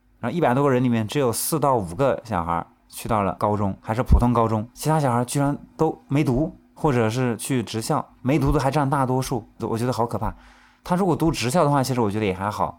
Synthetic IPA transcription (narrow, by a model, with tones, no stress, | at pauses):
ɻɻʊi˥˩pa˨˩ɪt̪wɔ˥ɡə˧ɻə˧˥nli˨˩mjɛ˥˩nʈ͡ʂɻ̩˧˥jo˨˩ʊsɹ̩˥˧t̪ɑ˥˩ʊu˨˩ɡə˦ɕjɑ̰˨˩ʊxə̰˧˥ | t͡ɕʰy˥˧t̪ɑ˥˩ʊlə̰˩kɑ˥ʊʈ͡ʂʊ˥ŋxa˧˥ʂɻ̩˥˩pʰu˨˩t̪ʰʊ˥ŋkɑ˥ʊʈ͡ʂʊ˥ŋt͡ɕʰi˧˥t̪ʰa˥˩ɕjɑ˨˩xə˧˥t͡ɕy˥˩ɻa˧˥nt̪o˥ʊme˧˥ɪt̪u˧˥ | xwɔ˥˩ʈ͡ʂɤ˨˩ʂ̬ɻ̩˥˧t͡ɕʰy˥˩ʈ͡ʂɻ̩˧˥ɕjɑ˥˩ʊme˧˥ɪt̪u˧˥t̪o˥xa˧˥ɪʈ͡ʂa˥˧nt̪a˥˩t̪wɔ˥ʂu˥˩˧wɔ̰˨˩t͡ɕɥd̪ə˧xɑ˧˥ʊkʰɤ˨˩pʰa˥˩ | t̪ʰa˥ɻu˧˥kwɔ˨˩t̪u˧˥ʈ͡ʂɻ̩˧˥ɕjɑ˥˩ʊd̪ə˩xwa˥˩t͡ɕʰi˧˥ʂɻwɔ˨˩t͡ɕɥɛ˧˥d̪ə˧jɛ˨˩xa˧˥ɪxɑ˨˩˦